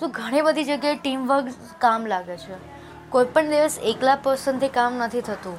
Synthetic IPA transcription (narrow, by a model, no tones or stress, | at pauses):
t̪ũɡʱəɽ̃ibəd̪ʱid͡ʒəɡjaeʈimʋəɾɡ | kamlaɡet͡ʃʰe | koipəɳd̪iʋəseklapəsənt̪ʰikamnət̪ʰit̪ʰət̪ũ